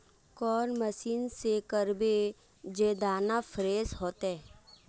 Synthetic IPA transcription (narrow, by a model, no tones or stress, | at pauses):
kɔːɾməsiːnsekəɾbe | d͡ʒeːd̪aːnafʰɾeːsɦoːt̪ɦɛː